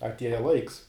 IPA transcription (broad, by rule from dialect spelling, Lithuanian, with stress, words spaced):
ɐtʲˈiɛjɛ ˈlˠɐɪks